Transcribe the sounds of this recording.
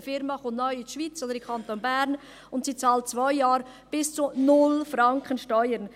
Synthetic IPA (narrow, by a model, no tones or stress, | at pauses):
fɪɾmɑχʊnnɔʏɪʃviːt͡soːd̪əɪkʰɑnt̪onbæɾn | ʊntsiːt͡sɑːlt̚t͡svaɪjɑːɾ | b̥ɪst͡sunʊlfɾɑŋkχənʃtɔʏəɾn